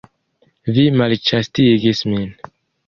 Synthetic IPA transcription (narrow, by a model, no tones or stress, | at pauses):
vimalt͡ʃastiɡismin